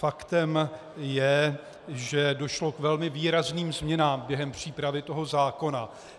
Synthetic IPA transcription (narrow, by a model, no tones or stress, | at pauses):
fakt̪ɛm | jɛ | ʒɛdo̞ʃlo̞kvɛlmɪviːɾazniːmzmɲɛnaːmbjɛɦɛmpr̝̥iːpɾavɪt̪o̞ɦo̞zaːko̞na